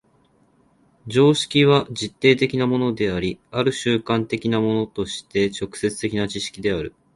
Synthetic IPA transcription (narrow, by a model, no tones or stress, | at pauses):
d͡ʑo̞ːɕi̥kʲiβ̞aʑit̪ːe̞ːt̪e̞kʲinamo̞no̞d̪e̞aɾʲiaɾɯ̟ɕɨːkãnt̪e̞kʲinamo̞no̞t̪o̞ɕi̥t̪e̞t͡ɕo̞kɯ̟̥se̞t͡sɨ̥t̪e̞kʲinat͡ɕiɕi̥kʲid̪e̞aɾɯ̟